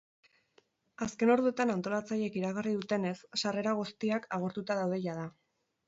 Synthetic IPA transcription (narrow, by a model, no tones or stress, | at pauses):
aske̞no̞ɾðuet̪anant̪o̞lat͡saje̞kiɾaɣariðut̪e̞ne̞sːare̞ɾaɣ̞ust̪iakaɣ̞o̞ɾt̪ut̪aðawð̞e̞ʝaða